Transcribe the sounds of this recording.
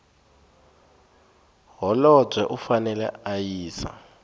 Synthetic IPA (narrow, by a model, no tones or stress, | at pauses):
ɦɔlɔb͡ʐʱwɛʔufanɛlɛ̰ajiːsa̰